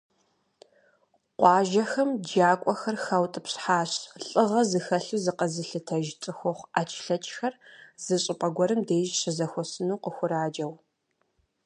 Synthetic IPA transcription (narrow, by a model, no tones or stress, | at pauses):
qʷɑːʒɐxɐmd͡ʒaːkʷʼɔxɐrxɐwtʼɨpɕħaːɕɬʼɨʁɐzɨxɐɬuzɨqɐzɨɬɨtʰɐʒt͡sʼɨxʷɔχʷaːt͡ʃʼʰɬɐt͡ʃʼxɐrz̥ɨɕʼɪpʼɐɡʷɔɾɨmdeːʒɕɪzɐxʷɔsɨnuːqəxʷʊɾaːd͡ʒɐw